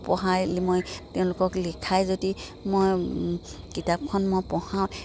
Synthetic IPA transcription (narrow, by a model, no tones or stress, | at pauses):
pɔɦajlmojteʊ̃lʊkɔklikʰajzodimoj | kitap̚kʰɔnmojpɔhawt